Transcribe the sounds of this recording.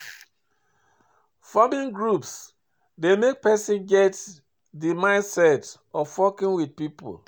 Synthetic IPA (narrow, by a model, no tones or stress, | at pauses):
famĩnɡɹups | demek̚pɛsĩnɡɛt | dimãɪ̃nsɛt | ɔfɔkĩnwid̚pipo̰l